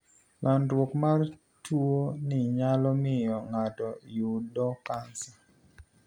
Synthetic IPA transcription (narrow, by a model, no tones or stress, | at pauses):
lʔandwokmar | tuonɪɲalɔmɪjɔŋatɔjudɔkansa